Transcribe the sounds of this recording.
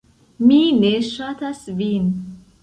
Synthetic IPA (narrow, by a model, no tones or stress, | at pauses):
mineʃat̪asvin